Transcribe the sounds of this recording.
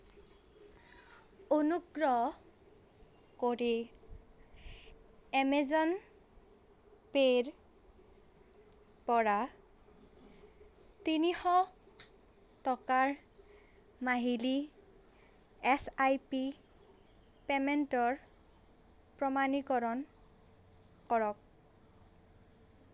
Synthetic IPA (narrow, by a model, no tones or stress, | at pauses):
onuɡɹɔ | koɹi | ɛmezɔn | peɹ | pɔɹa | tinixɔ | tɔkaɹ | maɦili | ɛsajpi | pementɔɹ | pɹɔmanikɔɹɔn | kɔɹɔk̚